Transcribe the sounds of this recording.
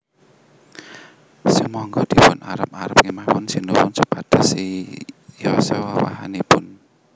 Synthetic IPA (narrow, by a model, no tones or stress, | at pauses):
simɔŋɡɔd̪̥i̤pʊnaɾəp̚aɾəp̚ŋimawʊnsinuwʊnsupad̥a̤si | jɔsewawa̰ɦa̰nepʊn